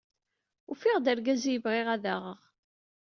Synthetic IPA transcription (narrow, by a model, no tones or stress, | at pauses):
ufiʁd̪æɾɡæzijəvʁɪʁæðæʁəʁ